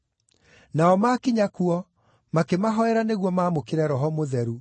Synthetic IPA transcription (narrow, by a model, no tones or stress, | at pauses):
naɔmakiɲakuɔ | makemaɦɔɛɾaneɣwɔmaːmokeɾɛɾɔɦɔmoðɛɾu